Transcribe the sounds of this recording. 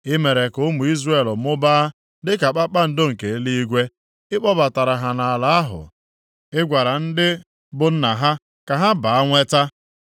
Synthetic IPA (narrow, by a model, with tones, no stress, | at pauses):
ɪ˦me˨ɾe˨kʊ˦mʊ˨i˦zre˦˨lmʊ˦ba˦ | dɪ˦ka˨k͡pa˦k͡pa˦n̩˨do˦ŋ̩˨ke˨˦li˦i˦ɡʷe˦ | ɪ˦k͡pɔ˦ba˨ta˨ɾa˨ɦa˨na˨a˨la˨a˦ɦʊ̰˨ | ɪ˦ɡʷa˨ɾa˨n̩˦dɪ˦ | bʊ˦n̩˦na˨ɦa˦ | ka˨ɦa˦ba˨a˦ŋʷe˦ta˦